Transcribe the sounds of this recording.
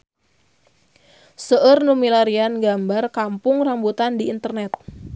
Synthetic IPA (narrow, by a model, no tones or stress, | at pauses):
səʔərnumilaɾianɡambarkampʊŋrambut̪andiːnt̪ərnɛt̪̚